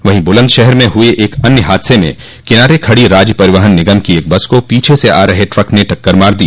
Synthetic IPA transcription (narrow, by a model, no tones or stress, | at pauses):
ʋɐɦĩbʊlə̃nd̪ʃɛɦɛɾmẽɦʊeʔeːkɐnjəɦaːd̪ɪsemḛ̃ | kɪnaːɾekʰɐɽiɾaːd͡ʒpɐɾɪʋəɦənːɪɡəmkieːk̚bɐskopiːt͡ʃʰeseʔa̰ːɾɐɦeʈɾɐkneʈɐkːəɾmaːɾd̪iː